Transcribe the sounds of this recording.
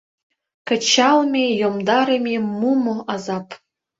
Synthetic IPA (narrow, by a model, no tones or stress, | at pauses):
kə̆t͡ɕalˠmʲejomd̪aɾɐmʲemumoazap